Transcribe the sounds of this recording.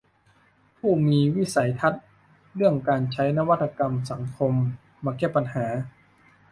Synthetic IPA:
pʰuː˥˩miː˧wi˦˥˩sa˩˦jt̪ʰa˦˥t̪̚ | ɾɯ˥˩əŋkaː˧nt͡ɕʰa˦˥jna˧˥˧wa˦˥t̪ʰːa˧ka˧msa˩˦ŋkʰo˧mː | aː˧kɛː˥˩pːa˧nhaː˩˦

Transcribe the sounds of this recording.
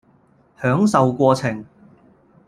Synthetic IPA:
hœː˨˥ŋsɐ˨wkʷɔː˧t͡sʰɪ˨˩ŋ

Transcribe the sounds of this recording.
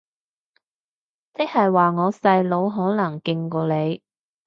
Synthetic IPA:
t͡sɪ˥k̚hɐ˨jwaː˨˩ŋɔː˨˧sɐ˧jlo˨˧wɦɔː˨˥nɐ˨˩ŋkɪ˧ŋkɔː˧le˨˧j

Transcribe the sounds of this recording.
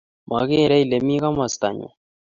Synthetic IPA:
ma˨ɣe˦˨ɾa˦i˨le˨mi˦ka˦ma˨st̪a̰˨ɲṵ˨

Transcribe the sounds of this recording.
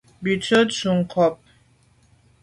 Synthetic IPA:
bi˨tʰə˦tsu˨ŋkʰɔ˨p̚

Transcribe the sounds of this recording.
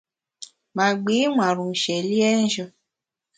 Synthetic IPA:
mã˨˦ɡ͡be˨˦ŋʷã˨ɾũ˨ʃɛ˨li˦ɛ˦n̩˦ʃɔ˧

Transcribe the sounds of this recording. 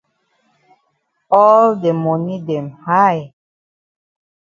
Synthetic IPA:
ɔlde˨mɔ˨ni˦dɛ̃˨mha˦j

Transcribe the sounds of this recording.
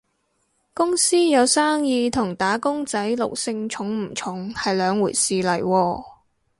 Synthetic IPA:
kʊ˥ŋsiː˥jɐ˨˧wsaː˥ŋjiː˧t̪ʰʊ˨˩ŋt̪aː˨˥kʊ˥ŋt͡sɐ˨˥jlʊ˨k̚sɪ˧ŋt͡ʃʰʊ˨˥ŋm̩˨˩t͡ʃʰʊ˨˥ŋhɐ˨jlœː˨˧ŋwuː˨˩jsiː˨lɐ˨˩jwɔː˧

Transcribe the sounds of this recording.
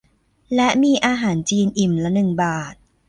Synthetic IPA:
lɛ˦˥ʔmiː˧ʔaː˧ɦaː˩˦nt͡ɕiː˧nʔi˨˩mlɛ˦˥nɯ˨˩ŋbaː˨˩t̪̚

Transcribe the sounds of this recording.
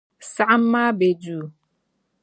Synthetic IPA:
sa˦ʔm̩˦ma˦be˨duː˨

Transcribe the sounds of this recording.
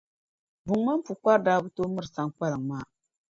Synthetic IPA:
bu˨ŋ˦ma˦m˦pu˨kʷa˦ɾdaː˦bu˦to˦mɨ˦ɾsa˦ŋ˦ka˦lɨ˨ŋmaː˦

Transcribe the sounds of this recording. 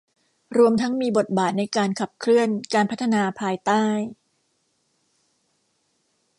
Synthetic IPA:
ɾu˧əmt̪ʰa˦˥ŋmiː˧bo˨˩t̪̚baː˨˩t̪̚na˧jkaː˧nkʰa˨˩p̚kʰɾɯ˥˩ənkaː˧npʰa˦˥t̪ʰːa˧naː˧pʰaː˧jt̪aː˥˩j

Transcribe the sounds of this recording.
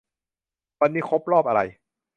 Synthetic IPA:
wa˧nːiː˥˩kʰo˦˥p̚ɾɔː˥˩p̚ʔa˧ɾa̰˧j

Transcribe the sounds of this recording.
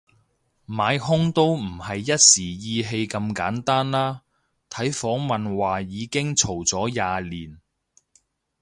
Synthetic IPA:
maː˨˧jɦʊ˥ŋt̪o˥wm̩˨˩hɐ˨jːɐ˥t̚siː˨˩jiː˧ɦe˧jkɐ˧mka̰ː˨˥nt̪aː˥nlaː˥ | t̪ʰɐ˨˥jfɔː˨˥ŋmɐ˨nwaː˨jiː˨˧kɪ˥ŋt͡sʰo˨˩wt͡sɔː˨˥jaː˨˧liː˨˩n

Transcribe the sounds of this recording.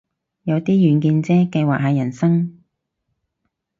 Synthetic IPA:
jɐ˨˧wt̪iː˥jyː˨˩nkiː˧nt͡sɛː˥kɐ˧jwaː˨k̚hɐː˨jɐ˨˩nsɐ˥ŋ

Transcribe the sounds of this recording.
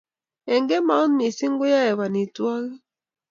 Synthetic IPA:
ɛ˨ŋɡɛ˦ma˨˦ɔ˦nmi˨si˦ŋɡo˦ja˦ɛ˨βa˨ni˨twa˦ɣi˦

